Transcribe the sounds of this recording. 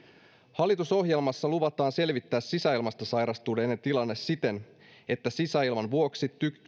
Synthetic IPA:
hɑlːit̪uso̞ɦje̞lmɑsːɑluʋɑt̪ɑːnse̞lʋit̪ːæːssisæilmɑst̪ɑsɑjɾɑst̪uːdenent̪ilɑnːe̞sit̪e̞n | e̞t̪ːæsisæilmɑnʋuo̞ksit̪yk

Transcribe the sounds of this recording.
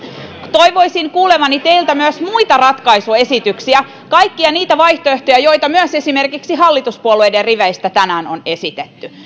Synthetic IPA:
t̪oiʋo̞isiŋkuːlemɑnit̪eilt̪æmyøsmuit̪ɑrɑt̪kɑisue̞sit̪yksiæ | kɑjkːiɑniːt̪æʋɑjht̪oeht̪ojæjo̞jt̪ɑmyøsesimerkiksiɦɑlːit̪uspuoluejderriʋæist̪æt̪ænæːnone̞sit̪et̪ːy

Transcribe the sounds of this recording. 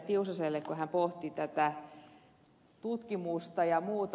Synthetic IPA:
t̪iusɑselːekkohæmpoht̪it̪æt̪æ | t̪ut̪kimust̪ɑjɑmuːt̪

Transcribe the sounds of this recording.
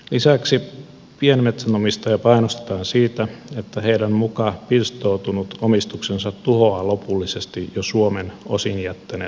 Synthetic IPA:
lisæksi | pienmet̪sænomist̪ɑjɑpɑinost̪e̥t̪ɑːnsiːt̪æet̪ːæheidæmmukɑpirst̪out̪unut̪omist̪uksensɑt̪tuhoɑlopulːisest̪ijosuomenosinjæt̪ːænḛː

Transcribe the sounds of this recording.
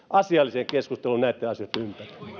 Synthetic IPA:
ʔɑsiɑlːiseŋkeskust̪elunnæˑit̪ːeɑsiot̪ːympæri̥

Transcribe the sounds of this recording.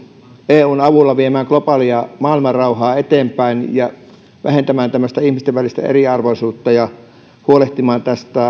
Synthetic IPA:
eːuːnɑʋulːɑʋiemæːŋklopɑːliɑmɑːilmɑrrɑuhɑːet̪eːmpæinjɑ | ʋæ̰hent̪æmæːnt̪æmːøst̪æihmist̪eʋʋælist̪æ̰ḛriɑrʋoisuːt̪ːɑjɑ | huoleht̪imɑːnt̪æst̪æ

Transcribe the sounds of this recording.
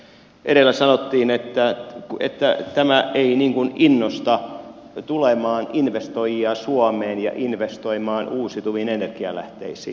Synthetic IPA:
ʔeɾelːæsɑnot̪ːiːnet̪ːækḛt̪ːæt̪æmæʔeiniŋkuninːost̪ɑ | t̪ulemɑːninʋest̪ojiɑsuɑmeːnjɑ̰ʔinʋest̪oimɑːnuːsit̪uʋinenerkiæ̰læ̰ht̪ḛisḭː

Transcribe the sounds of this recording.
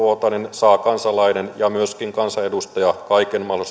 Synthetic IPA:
ot̪ɑninsɑːkɑnsɑlɑinenjɑmyøskiŋkɑnsɑedust̪ɑjɑkɑikenmɑls

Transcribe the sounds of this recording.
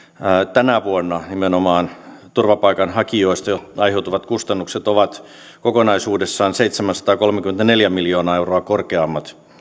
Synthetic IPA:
t̪ænæʋuonːɑnimenomɑːnt̪urʋɑpɑikɑnhɑkioist̪ɑɑiɦeut̪uʋɑt̪kust̪ɑnːukset̪oʋɑt̪ | kokonɑisuːdesːɑːnseit̪semænsɑ̥t̪ɑːkolmekyment̪æneljæmiljoːnɑeuroɑkorkeɑmːɑt̪

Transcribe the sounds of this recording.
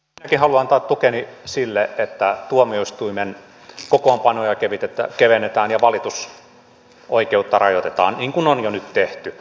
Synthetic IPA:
minækihɑluɑnt̪ɑːt̪t̪ukenisilːeʔet̪ːæt̪uomioist̪uimen | kokoːmpɑnojɑkeʋit̪et̪æ̰keʋenet̪æːnjɑʋɑlit̪us | ʔoikeut̪ːɑrɑjot̪et̪ɑ̰ːnniːŋkunonjonyt̪t̪eht̪y

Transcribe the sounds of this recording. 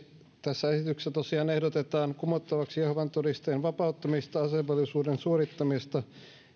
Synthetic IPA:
t̪æsːæesit̪yksset̪osiɑːnehdot̪et̪ɑːnkumot̪ːɑʋɑksijehʋɑnt̪odist̪enʋɑpɑut̪ːɑmist̪ɑɑseʋelisuːdensuoɾit̪ːɑmist̪ɑ

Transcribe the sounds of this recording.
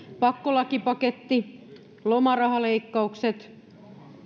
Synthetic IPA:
pɑkːolɑkipɑket̪ːi | lomɑrɑɦɑle̞ikːɑukset̪

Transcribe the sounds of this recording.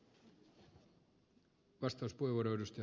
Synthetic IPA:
ʋɑst̪ɑwspueʋoɾojdust̪

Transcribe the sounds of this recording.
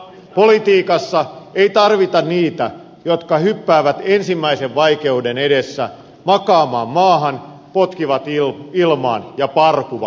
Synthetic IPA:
polit̪iːkɑsːɑeit̪ɑrʋit̪ɑnniːt̪æ | jot̪kɑhypːæːʋæt̪ensimːæiseʋʋɑike̞udenedesːæ̰ | mɑkɑːmɑːmːɑːɦɑn | pot̪kiʋɑt̪ilmɑ̰ːnjɑpɑrkuʋɑ̰

